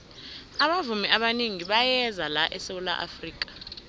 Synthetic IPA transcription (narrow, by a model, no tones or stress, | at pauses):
aɓavumiaɓaniŋiɓajɛzalaʔɛsewula̰ʔa̰friːk̬ʼḁ